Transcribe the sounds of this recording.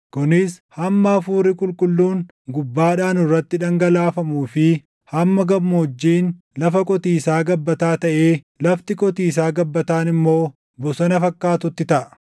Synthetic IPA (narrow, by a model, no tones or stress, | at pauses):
kʊnɪshɐmːɐfuːɾɪkʼʊlkʼʊlːuːn | ɡʊbːaːᶑaːnɪrːɐt̪ːɪᶑɐŋɡɐlaːfɐmuːfɪ | hɐmːɐɡɐbmʊɔd͡ʒːiːn | lɐfɐkʼɔt̪iːsaːɡɐbːɐt̪aːt̪ɐʔe̞ː | lɐft̪ɪkʼɔt̪iːsaːɡɐbːɐt̪aːnɪmːo̞ː | bɔsɐnɐfɐkːaːt̪ʊt̪ːɪt̪ɐʔɐ